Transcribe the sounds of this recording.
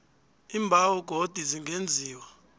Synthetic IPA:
iːmbʱawɔɡ̥ʱod̥ʱiziŋɡend͡zʱiːwa

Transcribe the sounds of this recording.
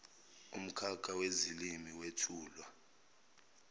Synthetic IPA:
um̩kʰak̬ʰʼawezilimiwetʰuːlwa

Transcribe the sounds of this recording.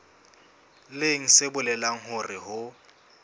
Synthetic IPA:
leŋ̩sebʊlɛlaŋ̩ɦʊrɪhʊ

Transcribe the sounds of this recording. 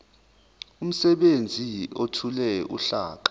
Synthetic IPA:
um̩sɛɓend͡zʱiotʰulɛṵɬa̰ːǃḁ

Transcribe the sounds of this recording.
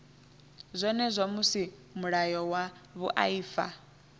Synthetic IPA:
zʷɔnɛzʷamusimuɺajɔwaβuʔa̰iːfa̰

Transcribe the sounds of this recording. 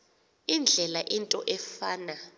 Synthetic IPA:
ind͡ɮʱɛlaʔintʼɔʔɛfaːna

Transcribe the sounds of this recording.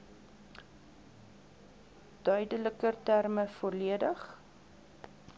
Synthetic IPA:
d̥œɥdələkərtærməfɔrliədəχ

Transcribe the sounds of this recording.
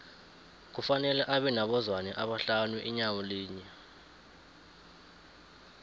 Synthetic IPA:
k̬ufanɛlɛʔaɓɛnaɓɔzwanɛʔaɓaɬanuʔiɲawoliːɲɛ

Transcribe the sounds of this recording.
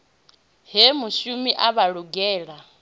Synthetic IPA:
ɦemuʃumiʔaβaɺuɡɛːɺa

